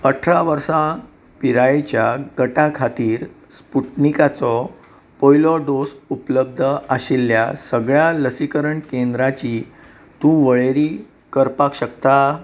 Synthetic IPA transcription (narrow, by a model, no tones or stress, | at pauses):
əʈʰɾaʋəɾsã | piɾajet͡ɕjaɡəʈakʰat̪iːɾ | spuʈnikat͡sɔ | pɔjlɔɖ̪osupləb̚d̪ʱəaɕilːjasəɡɭjaləsikəɾəɳkend̪ɾat͡ɕi | t̪ũʋəɭeɾiː | kəɾpakɕək̚t̪a